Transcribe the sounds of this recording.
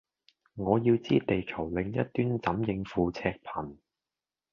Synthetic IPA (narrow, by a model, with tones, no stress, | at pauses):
ŋɔː˨˧jiː˧wt͡siː˥t̪e˨jkʰɐ˨˩wlɪ˨˧ŋjɐ̰˥t̚t̪ːyː˥nt͡sɐ˨˥mjɪ˧ŋfuː˨˧t͡sʰɛː˧k̚pʰɐ˨˩n